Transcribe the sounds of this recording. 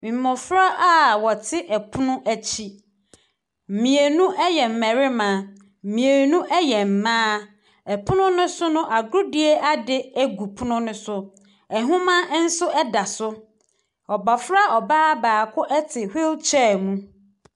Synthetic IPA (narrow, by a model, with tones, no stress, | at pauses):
mĩ˨m̩˨˦mʊ̃˨fɾa˦ʔa˦wɔ˨tʰɪ˦ʔɛ˨pʰʊ˦nʊ̃˦ʔæ˦t͡ɕʰi˦ | m̩˨mĩ˨e˨nũ˦ʔɛ˦jɛ˨m̩˨mæ̃˨ɾɪ˦mã˨ | m̩˨mĩ˨e˨nũ˦ʔɛ˦jɛ˨m̩˨mãː˦ | ɛ˨pʰʊ˦nʊ̃˦nʊ̃˦sʊ˦nʊ̃˦ʔa˨ɡɾʊ˦dɪ˦e˦ʔa˦dɪ˦æ˦ɡu˨pʰʊ˦nʊ̃˦nʊ̃˦sʊ˦ | ɛ˨ɦʊ̃˦mã˦n̩˦sʊ˦ɛ˦da˨sʊ˦ | ɔ˨ba˨fɾa˦ɔ˨baː˦baː˨kʰʊ˦ʔɛ˦tʰɪ˨he˦lt͡ɕʰɛː˦˨mũ˦